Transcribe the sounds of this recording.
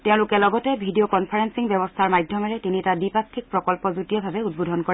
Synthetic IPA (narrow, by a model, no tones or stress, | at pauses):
tɛʊ̃lukɛlɔɡɔtɛbʱidiokɔnpʰaɹensiŋbjɔbɔstʰaɹmajdʱjɔmaɹɛtinitadipakʰːik̚pɹɔkɔlpɔzutiɔbʱabɛud̚bodʱɔnkɔɹɛ